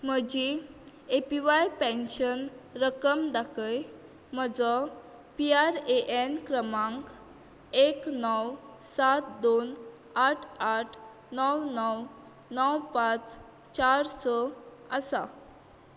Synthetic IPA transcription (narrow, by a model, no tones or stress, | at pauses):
m̤əd͡ʑi | epiʋajpɛ̃nɕənɾəkəmd̪akʰəj | m̤əd͡zɔ | piaɾeʔenkɾəmãŋk | eknɔwsat̪̚d̪on | aʈʰaʈʰ | nɔwnɔw | nɔwpãt͡s | t͡ɕaɾsɔəsa̰